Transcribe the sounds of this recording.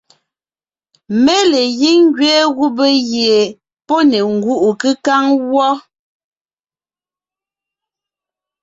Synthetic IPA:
mɛ˦le˨ji˦ŋ˦ɡɥɛː˦ɣu˦be˦ɣje˨ | pɔ˦nɛ˨ŋ̩˨ɡu˦ʔu˨kɨ˦ka˦ŋwɔ˦

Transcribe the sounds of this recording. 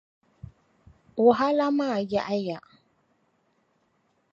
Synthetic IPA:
wʊ˨ɦa˦la˦ma˦˨ja˦˨ʔa˦ja˨

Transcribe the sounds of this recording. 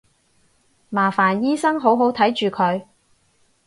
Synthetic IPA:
maː˨˩faː˨˩njiː˥sɐ˥ŋɦo˨˥wɦo˨˥wt̪ʰɐ˨˥jt͡ʃyː˨kʰɵ˨˧ɥ

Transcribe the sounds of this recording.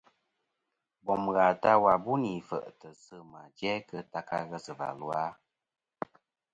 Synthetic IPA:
bɔ˨m˨ɣa˨ta˦wa˨bu˦ni˨fə̰˨ʔtə˨sɨ˦ma˨d͡ʒɛ˦kə˧ta˦ka̰˧ɣə˦sə˨va̰˨lwa˦

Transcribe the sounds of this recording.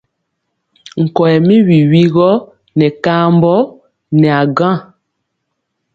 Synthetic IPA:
ŋ̩˨kɔ˨ɛ˨mi˦wi˨wi˦ɣɔ˦ | nɛ˨ka˦mbɔ˦ | nɛ˨a˨ɡã˦˨

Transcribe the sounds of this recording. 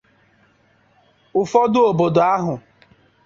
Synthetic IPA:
ʊ˨fɔ˦dʊ˦o˨bo˨do˨a˦ɦʊ˨

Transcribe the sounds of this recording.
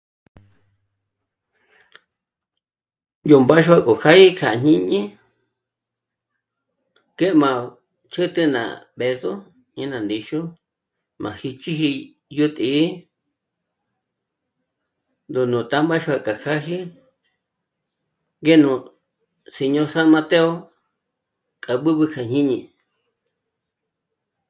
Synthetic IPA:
ju˧mba˦ʃu˦a˦˧ko˨kʰa˦i˦kʰa˨˧ɲ̥ĩ˦ɲĩ˦ | ke˦ʔmã˨ | t͡ʃɨ˦t̪ɨ˦nã̰˨ | be˧so˦ | ɲĩ˦nã˨nd̪i˧ʃu˦ | mã̰˨hi˧t͡ʃi˦hi˧ | ju˦t̪ʼi˨˦ | nd̪u˧nũ˨t̪a˦mba˦ʃu˧a˧˨ka˨kʰa˦ɦi˦ | ɡe˦nũ˨ | se˧ɲõ˧sa˦mã˧t̪e˦o˦ | kʼa˨ɓɨ˦βɨ˧kʰa˧˨ɲ̥ĩ˦ɲĩ˧

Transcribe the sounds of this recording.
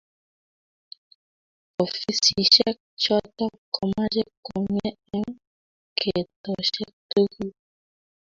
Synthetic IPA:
ɔ˨fi˦si˨ʃɛ˦ | t͡ʃɔ˦tɔ˦kɔ˨ma˦d͡ʒɛ˦kɔ˨ɲɛ˦ɛ˦ŋ | kʰe˨tɔ˨ʃɛ˦to˦ku˦

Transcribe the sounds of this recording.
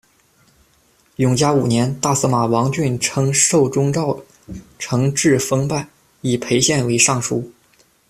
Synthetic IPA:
jʊ˨˧˩ŋt͡ɕja˥u˨˩njɛ˧˥nt̪a˥˩sɤ˧˥ma˨˩wɑ˧˥ŋt͡ɕy˥˩nʈ͡ʂʰɤ˧˥ŋʂo˥˩ʊʈ͡ʂʊ˥ŋʈ͡ʂɑ˥˩ʊ | ʈ͡ʂʰɤ˧˥ŋʈ͡ʂɻ̩˥˩fɤ˥ŋpa˥˩ɪ | i˨˩pʰe˧˥ɪɕjɛ˥˩nwe˧˥ɪʂɑ˥˩ŋʂu˥

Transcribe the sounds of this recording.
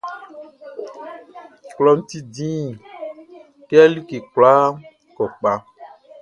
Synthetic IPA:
klɔ˦n̩˦t̪i˦dĩ˦˨ | ke˦a˦li˦ke˨k͡pla˦ | kɔ˨k͡pa˦

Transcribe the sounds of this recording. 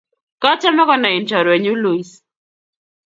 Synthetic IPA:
kɔ˦t͡ʃɛ˦mɔ˦kɔ˦na˨ɪ˨nt͡ʃɔ˨ɾwɛ˨ɲu˦lo˨i˦s

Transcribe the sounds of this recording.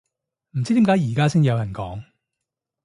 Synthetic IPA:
m̩˨˩t͡s̬i˥t̪i˨˥kaː˨˧˥jiː˨˩kaː˥sɪ˥ŋjɐ˨˧wjɐ˨˩nkɔː˨˥ŋ

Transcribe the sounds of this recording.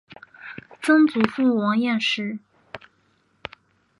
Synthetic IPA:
t͡sɤ˥ŋt͡su˨˩fu˥˩wɑ˧˥ŋjɛ˥˩nʂɻ̩˥˩

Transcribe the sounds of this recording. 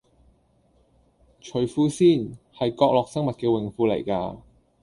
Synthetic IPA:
t͡ʃʰɵ˨˥ɥfuː˧˥siː˥˩nhɐ˨jkɔː˧k̚lɔː˨k̚sɐ˥ŋmɐ˨t̚kɛː˧wɪ˨˩ŋfuː˨˧lɐ̰˨˩jka̰ː˧

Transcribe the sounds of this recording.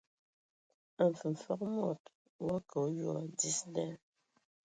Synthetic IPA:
ə˨m̩˨fə˨m˨fə˦kmɔ˨t | wɔ˦kə˨˦jɔ˦˨d͡zi˦sdɛ˦

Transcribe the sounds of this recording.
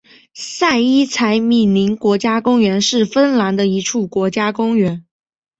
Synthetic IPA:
sa˥˩ɪi˥t͡sʰa˧˥ɪmi˥˩ni˧˥ŋkwɔ˧˥t͡ɕja˥kʊ˥ŋɥɛ˧˥nʂɻ̩˥˩fə˥nla˧˥nd̪ə˧i˧˥ʈ͡ʂʰu˥˩kwɔ˧˥t͡ɕja˥kʊ˥ŋɥɛ˧˥n

